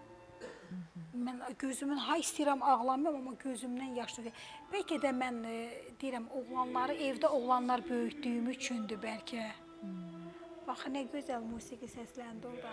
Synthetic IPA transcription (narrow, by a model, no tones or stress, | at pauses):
mænɟøzymynɦɑist̪ijɾæmɑʁlˠɑmɯɾɑmɑmːɑɟø̞zymd̪ænjɑʃɯib̥ælcʰæd̪æmænd̪iiɾæmoʁlˠɑnlˠɑɾɯevd̪æoʁlˠɑnlˠɑɾbø̞jyçd̪yjymyt͡ʃʰynd̪ybælcʰæ | b̥ɑχnæɟø̞zælʲmuːsiɡisæslænd̪iolˠd̪ɑ